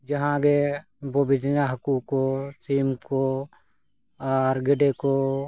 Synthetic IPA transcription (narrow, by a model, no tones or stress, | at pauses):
d͡ʒəɦãɡe | bobɪd͡ʒ̪naɦəkukot̪iːmko | ɔːɾɡɪɖeko